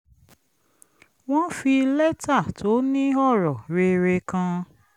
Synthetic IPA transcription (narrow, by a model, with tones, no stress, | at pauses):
w̃ɔ̃˦fi˧lɛ˦ta˦˨tʰo˨˦nĩ˦ɔ˦˨ɾɔ˨ɾe˧ɾe˧kã˧